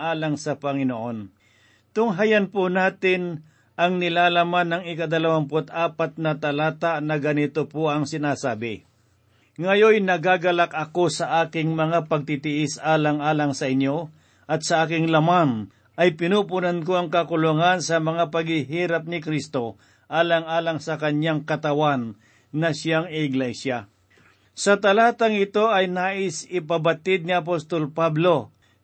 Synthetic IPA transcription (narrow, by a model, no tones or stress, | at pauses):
ʔaːlaŋsɐpɐŋɪnoʔo̞n | t̪ʊŋɦajanpʊnaːt̪ɪn | ʔɐŋnɪlaːlamanːɐŋɪkad̪ɐlɐwanpʊt̪ʔaːpat̪̚nɐt̪ɐlaːt̪aʔnɐɡɐnɪt̪opoʔɐŋsɪnaːsaːbɪ | ŋɐjojnɐɡaɡɐlak̚ʔɐko̞sɐʔaːkɪŋmɐŋapɐɡ̚t̪it̪ɪʔɪsʔaːlaŋʔaːlaŋsɐʔɪnjo̞ | ʔɐt̪̚sɐʔaːkɪŋlɐman | ʔɐjpɪnuːpʊnank̬oʔɐŋkɐkʊlʊŋansɐmɐŋapɐɡɪɦiːɾap̚nɪkɾist̪o̞ | ʔaːlaŋaːlaŋsɐkɐɲjaŋkɐt̪ɐwanː | ɐsjaŋɪɪɡlɛjsja | sɐt̪ɐlaːt̪aŋɪt̪o̞ʔɐjnaːʔɪsɪpɐbɐt̪ɪd̪̚nɪɐp̬ost̪olpablo̞